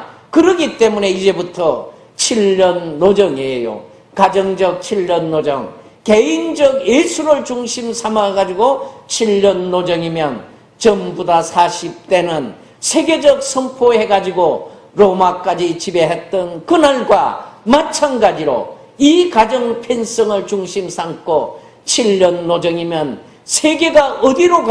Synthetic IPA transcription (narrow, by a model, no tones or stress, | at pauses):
kɯɾʌɡit͈e̞mune̞id͡ʑe̞butʰʌ | t͡ɕʰiʎːʌnːod͡ʑʌŋejo̰ | kad͡ʑʌŋd͡ʑʌk̚t͡ɕʰiʎːʌnːod͡ʑʌ̰ŋ | ke̞ind͡ʑʌɡjesʰuɾɯɭt͡ɕuŋɕʰimsʰamaɡad͡ʑiɡot͡ɕʰiʎːʌnːod͡ʑʌŋimjʌn | t͡ɕʌmbudasʰaɕʰip̚t͈e̞nɯn | sʰe̞ɡe̞d͡ʑʌk̚sʰʌŋpʰohe̞ɡad͡ʑiɡo | ɾomak͈ad͡ʑit͡ɕibe̞ɦet͈ʌnkɯnaɭɡwa̰mat͡ɕʰanɡad͡ʑiɾo̰ | ikad͡ʑʌŋpʰjens͈ʌŋɯɭt͡ɕuŋɕʰimsʰaŋkʰo | t͡ɕʰiʎːʌnːod͡ʑʌŋimjʌn | sʰeɡe̞ɡaʌdiɾok